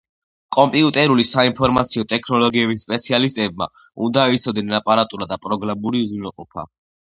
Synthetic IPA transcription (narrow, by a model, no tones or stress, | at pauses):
kʼɔmpʼiut̪ʼɛɾulisainpʰɔɾmat̪sʰiɔt̪ʼɛkʰnɔlɔɡiɛbisːpʼɛt̪sʰialist̪ʼɛb̚ma̰ | ṵnd̪ait̪sʰɔd̪ɛnapʼaɾat̪ʼuɾad̪apʼɾɔɡɾamuɾiuzuɛqʼɔpʰa̰